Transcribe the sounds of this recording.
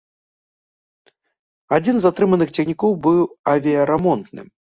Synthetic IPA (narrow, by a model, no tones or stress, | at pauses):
ad͡zʲinzat̪ɾɨmɐnɨxt͡sʲɛxnʲikɔwbɨwɐvʲiɐɾɛmɔnt̪nɨ̰m